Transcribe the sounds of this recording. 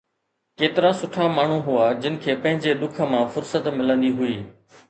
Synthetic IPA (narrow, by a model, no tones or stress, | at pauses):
keːt̪ɪɾasʊʈʰamaːɳ̤uɦʊad͡ʑɪnɪ̆kʰeːpɐ̃ɦɪ̃ɲd͡ʑeɗ̪ʊkʰə̆mãːfʊɾsət̪mɪlə̃nd̪iɦʊiː